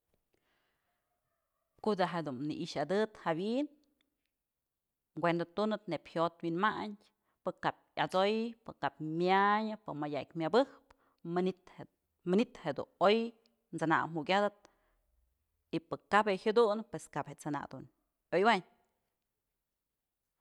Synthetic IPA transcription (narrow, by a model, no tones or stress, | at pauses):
kod̪aɦed̪unnḭʔiʃad̪ɨt̪hawin | ɡʷwend̪at̪unɨt̪̚nepʲhot̪winmaɲ | pɨkap̚at͡sojpɨkapmjaɲɨpɨmajaʔk̚ʲmʲabɨhp | ɨnt̪ | mɨnit̪hed̪ṵnoj | nt͡sɨna̰mukʲad̪at̪̚ | ipɨkabehad̪unpweskaphet͡sɨna̰ʔd̪un | ojwaɲ